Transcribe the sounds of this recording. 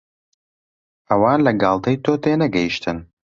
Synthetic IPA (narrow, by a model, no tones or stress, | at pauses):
ʔɐwaːnlɐɡɑːlˠt̪ʰɐjt̪ʰoːt̪eːnɐɡɛjiʃt̪ʰɨn